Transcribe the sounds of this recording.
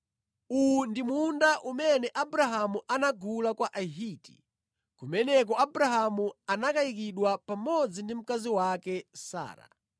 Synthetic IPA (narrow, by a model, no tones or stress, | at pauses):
undimundaʔumɛnɛʔabɾaɦamuʔanaɡulakwaʔaɦiti̥̰ | kumɛnɛk̬ɔabuɾaɦamuanakaik̬iɗwapamɔd͡zindim̩kaziwakɛsa̰ːɾa̰